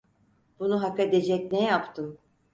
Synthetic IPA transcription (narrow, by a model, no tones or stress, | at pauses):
b̥unuɦakad̪ed͡ʒɛcnɛjapt̪ʰɯm